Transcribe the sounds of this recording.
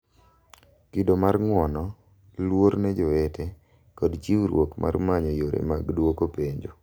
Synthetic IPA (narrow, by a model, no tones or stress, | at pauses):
kidomarŋwɔnɔ | lwoɾnɛd͡ʒɔwɛtʰe | kɔdt͡ʃiwɾwokmʔa̰rmaɲɔjoɾḛmaɡdwokopeɲd͡ʒo